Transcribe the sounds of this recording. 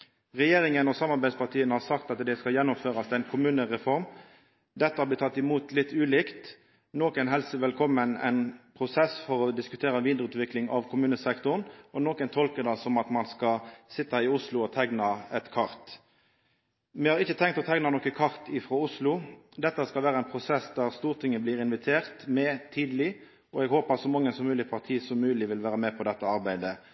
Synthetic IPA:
ʁɛjeːɾɪŋənɔsɑmːɑʁbæɪspɑʁt̪ʰiːənəhɑʁsɑkt̪ɑt̪d̪ɛskɑljɛnːʊmføːɾɑst̪ɛɪnkʰʊmʉːnəʁɛfɔʁm | d̪ɛt̪ːəɑblɪt̪ʰɑt̪ːɪmuːt̪lɪt̪ːʉːlɪːkt̪ | noːkənɦɛlsəʋɛlkʰɔmːənɛ̰ɪnpʰʁʊsɛsfɔɾɔd̪ɪskʉt̪ʰeːɾɑʋiːd̪ʁəʉːt̪ʋɪklɪŋɑʋkʰʊmʉːnəsɛkt̪ʊnɔnɔːkənt̪ʰɔlkəd̪ɑsɔmɑt̪mɑnskɑsɪt̪ːɑɪʊslʊɔt̪ʰɛɡnɑɛt̪kʰɑɾt̪ | mɛhɑʁɪçːət̪ʰɛŋkt̪ɔt̪ʰɛɡnɑnɔkəkʰɑʁt̪ɪfʁɔʊslʊ | d̪ɛt̪ːəskɑlʋæːɾəɛɪnpʰʁʊsɛsd̪æʁst̪uːʁt̪ʰɪŋːəbliːɾɪnʋɪt̪ʰeːʁt̪mɛt̪ʰiːd̪əlɪ | ɔɛɡhoːpəɑt̪sɔmɑŋːənsɔmʉːlɪpʰɑʁt̪ʰiːsɔmːʉːlɪʋɪlʋæːɾəmɛpʰɔd̪ɛt̪ːəɑʁbæɪd̪ə

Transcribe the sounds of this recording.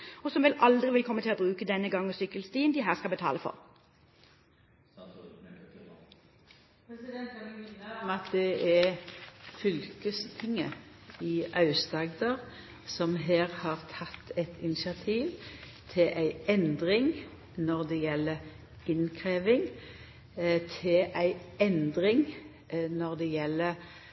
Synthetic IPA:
ɔsɔmʋɪlʔɑld̪ʁɪʋɪlkʰɔmːət̪ʰɪlɔbʁʉːkəd̪ɛnːəɡɑŋːɔsʏkːəlst̪iːənd̪ɪɦæːʁskɑlbət̪ʰɑːləfɔ̰ʁ | ɑt̪̚d̪ɛʔɛ | fʏlkəst̪ʰɪŋːəɪʔɑʉsd̪ɑɡd̪əʁ | sɔmɦeːʁhɑːʁt̪ʰɑt̪ːɛt̪ʰɪnɪsɪɑt̪ʰiːʋ | t̪ʰɪlʔæɪɛnd̪ʁɪŋ | nɔʁd̪ɛjɛlːə | ɪnkʰʁeːʋɪŋ | t̪ʰɪlʔæɪɛnd̪ʁɪŋ | nɔʁd̪ɛjɛlːə

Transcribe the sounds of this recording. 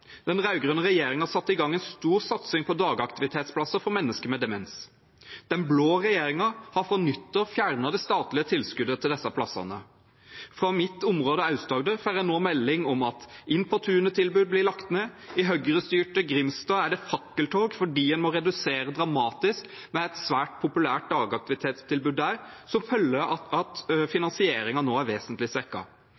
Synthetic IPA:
d̪̥ɛnʁɑʉɡʁœːnəʁɛjeːɾɪŋɑsɑt̪ːɪɡɑŋːɛnst̪uːɾsɑt̪sɪŋpʰɔd̪ɑːɡɑkt̪ɪʋɪt̪ʰeːt̪spʰlɑsəɾfɔʁmɛnːəskəmɛd̪ɛmɛns | d̪̥ɛnbloːʁɛjeːɾɪŋɑhɑfʁɑnʏt̪ːəɾfjæʁnɑd̪ɛst̪ɑːt̪lɪət̪ʰɪlskʉd̪ət̪ʰɪld̪ɛsɑpʰlɑsɑ̰nə̰ | fʁɑmɪt̪ʊmʁoːd̪əɑʉsd̪ɑːɡd̪əfæːʁjænoːmɛlːɪŋɔmɑt̪ɪnpʰɔt̪ʰʉːnət̪ʰɪlbʉːd̪̚blɪlɑkt̪neːɪɦœɡɾəst̪yːʈəɡɾɪmst̪ɑːæɖɛfɑkːəlt̪ʰoːɡfɔɖiːɛnmɔɾɛd̪ʉseːɾəd̪ɾɑmɑːt̪ɪsk | mɛɛt̪sʋæːʈ̚pʰʊpʉlæːʈ̚d̪ɑːɡɑk̚t̪ɪʋɪt̪ʰeːt̪st̪ʰɪlbʉːd̪ːæɾsɔmfœlːəɾɑt̪fɪnɑnsɪeːɾɪŋɑnoːæɾʋeːsənt̪lɪsʋɛkːɑ̰

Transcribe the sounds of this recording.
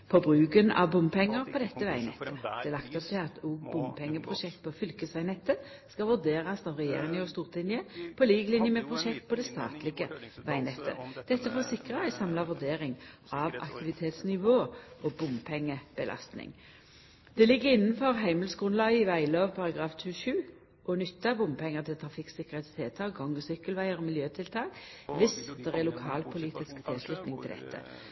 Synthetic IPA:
pʰɔbʁʉːɡənɑ̰ʋbʊmpʰɛŋːəʁpʰɔd̪ɛt̪ːəʋæɪnɛ̰t̪ʰːəd̪̥ɛlɑkt̪ɔp̚t̪ʰɪlɑt̪ʰuɡbʊmpʰɛŋːəpʰʁʊʃɛkt̪̚pʰɔfʏlkəsæɪnɛt̪ːə | skɑʋʉʁd̪eːʁɑsɑʋʁɛjḛːʁɪŋəɔst̪uːʁt̪lɪnjəpʰɔliːɡlɪnjəməpʰʁʊʃɛkt̪̚pɔd̪ɛst̪ɑ̰ːt̪lɪɡəʋæɪnɛt̪ʰːə̰d̪̥ɛt̪ːəfoːsɪkʁəæɪsɑmlɑʋʉʁd̪eːʁɪŋ | ɑʋɑ̰kt̪ʰɪʋɪt̪ʰeːt̪snɪʋoːʔɔbʊmpʰɛŋːəb̥əlʔɑ̰st̪nɪ̰ŋ | d̪̥ɛlɪɡːəɪnːn̩fɔʁɦæɪməlsɡʁʉnlɑɡəɪʋæɪloːʋpʰɑʁɑɡʁɑːft̪ʰʉːʃʉː | ʔɔnʏt̪ːɑbʊmpʰɛŋːəʁt̪ʰɪlt̪ʰɾɑfɪksɪkːəʁeːt̪st̪ʰɪlt̪ʰɑɡɔŋːəsʏkːəlʋæɪəʁɔmɪljøːt̪ʰɪlt̪ʰɑːkʋɪsd̪̥ɛʁɛlʊkʰɑːlpʰʊliːt̪ɪskt̪ʰɪlslʉt̪nɪŋt̪ʰɪld̪ɛ̰t̪ʰːə̰

